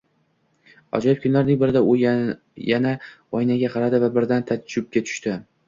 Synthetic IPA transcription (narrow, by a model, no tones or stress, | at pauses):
ɒ̰d͡ʒɒjɪp̚kʰʊnlaɾnɪŋbɪɾɪd̪a | janaɒjnaɡʲaqʰɑɾad̪ɪvabɪɾd̪ant̪ʰad͡ʒʊb̚kʲat̪ʰʊ̥ʃt̪ɪ